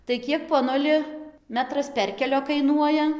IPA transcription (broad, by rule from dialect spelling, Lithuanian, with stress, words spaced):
tɐɪ ˈkʲiɛk poːˈnʊlʲɪ ˈmʲæːtrɐs ˈpʲɛrʲkʲɛlʲoː kɐɪˈnuɔjɛ